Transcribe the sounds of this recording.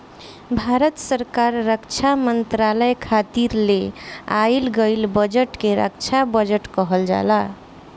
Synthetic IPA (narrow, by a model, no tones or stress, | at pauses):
bʱaɾət̪səɾkaɾːəkt͡ʃʰamənt̪ɾaləjkʰat̪iɾleailɡəjlbəd͡ʒəʈkeɾə̰kt͡ʃʰabəd͡ʒəʈkʌɦəld͡ʒa̰la